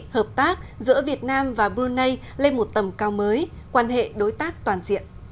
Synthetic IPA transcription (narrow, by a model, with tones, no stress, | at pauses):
həː˨˩p̚t̪aː˦˥k̚zɨ̰˧˥əvi˨˩ət̚naː˧mvaː˨˩ɓu˧nːə˧j | le˧nmo˨˩t̚t̪ə˨˩mkaː˧wməː˨˦j | kwaː˧nɦḛ˧˨ɗo˨˦jt̪aː˦˥k̚t̪waː˨˩nzḭ˧˨ən